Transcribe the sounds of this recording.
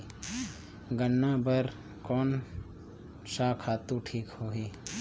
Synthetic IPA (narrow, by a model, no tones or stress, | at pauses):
ɡənːabəɾ | kɔːn | saːkʰaːt̪uʈʰiːkhoːɦiː